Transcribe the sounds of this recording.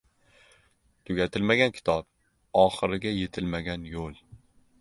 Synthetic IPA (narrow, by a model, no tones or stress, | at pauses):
t̪ʰʊɡʲat̪ʰɪlmaɡʲankʲʰɪ̥t̪ʰɒp | ɒχɨɾɪɡʲajet̪ʰɪlmaɡʲanjolˠ